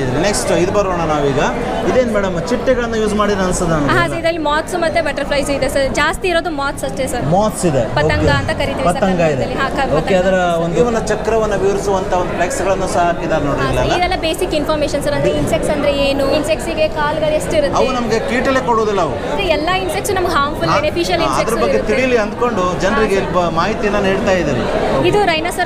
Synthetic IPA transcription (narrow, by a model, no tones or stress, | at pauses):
d̪ɐɾineksʈid̪bɐɾoːɳɐnaːʋiːɡɐ | id̪eːnmɛːɽɐmt͡ʃiʈːɛɡɐɭɐnːujuːsmaːɽid̪ɐnsɐd̪anɐɦaid̪ɐlːimaːt̪smɐt̪ːebɐʈɐɾpʰlɐjsid̪esɐɾd͡ʒaːst̪iːɾoːd̪umaːt̪sɐʂʈesɐɾmaːt̪sid̪epɐɐŋɡɐɐnt̪ɐkɐɾit̪iʋipɐsɐɾɐŋɡɐid̪eɐlːiɦaːkɐpoɐk̪ɐeɐd̪ɐɾɐond̪uʋɐnːɐt͡ʃɐkɾɐʋɐnːɐʋiʋɐɾisuʋɐnt̪ʰɐond̪uplɐksɡɐɭɐnːusaɦakid̪aːɾnoːɽilɐːɐd̪ɛlːɐbeːsikinpʰaːɾmeːʃɐnsɐɾɐnd̪ɾeinsekʈsɐnd̪ɐɾeeːnuinsek̚ʈsiɡekaːlɡɐɭesʈeiɾut̪ɐʋunɐmɐɡekiːʈɐlekoɽoːd̪ilːɐɐʋu | d̪ɾeɛlːɐinsekʈsunɐmɐɡeɦaːɾmpʰulenepʰiːʃɐlisɐed̪ɐsɾɐbɐɡːet̪iɽijɐliɐnd̪ko̞ɳɖud͡ʒɐnɾiɡebmaːɦit̪ijɐnːɐneːɽt̪aːjid̪iɾeid̪uɾɐjnɐsɐɾ